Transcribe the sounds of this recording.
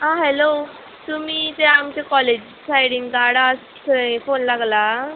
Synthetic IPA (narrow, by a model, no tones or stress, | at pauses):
ɦãɦɛlo | t̪um̤iːt̪eamkekɔled͡ʑ | sajɽiŋɡɡaɽas | t̪ʰəfonlaɡla